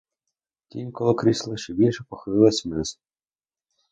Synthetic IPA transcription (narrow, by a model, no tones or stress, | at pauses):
t̪ʲimʲkɔlˠɔkɾislˠɪʃt͡ʃɛbʲilʲʃɛpɔxɪlˠɪlˠɐsʲmɪz